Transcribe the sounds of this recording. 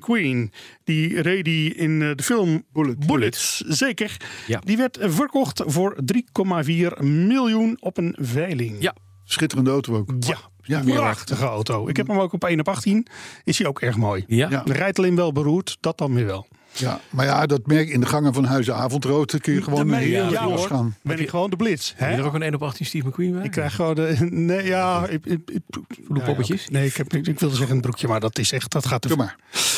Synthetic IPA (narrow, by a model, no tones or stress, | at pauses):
kʰwind̥irejdiɪndəfɪlˠmbbulɪtszeːkəɹdiʋɛɹtvəɹkɔχtvʊɹdrikɔmaviːrmɪlˠjunɔpənvɛjlɪŋ | sχɪtərəndəowtowowkja | prɑxtəɣəowtowʔɪ̰khɛpnəmowkɔpejnɔpɑχtinɪsiowkʰɛɹχmoːjdərɛjtəlɪnʋɛlˠbəruːɹtd̥ɔt̚ɔnʋɪɹʋɛlˠ | amaɹjadɔtmɛɹkɪndəχɑŋəvɔnɦœɥzəaːvɔntrowtəkənjəχəʋoːmaɔsaːnbɪnɪkχəʋoːndəblɪtshɛəokənejnɔpɑxtinstifməkwinbɛɪkːrɛjxχəʋoːnənejaɪ | dɔbəəsnejɪkɛpɪkʋɪlˠdəzɛχənəbrukʰjəmaɹdɔtɪsɛxtdɔtχaːtəmaɹ